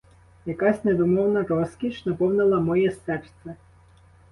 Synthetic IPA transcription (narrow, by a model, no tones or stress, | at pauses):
jɐkɑsʲned̪ɔmɔwnɐɾɔskʲiʃnɐpɔwnɪlˠɐmɔjɛsɛrt̪sʲɛ